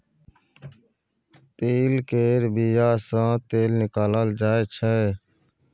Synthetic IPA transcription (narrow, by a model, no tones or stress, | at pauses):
t̪eːlkeːɾbiːjaːsãːt̪eːlnɪkaːlaːld͡ʒaːeːt͡ʃʰɛː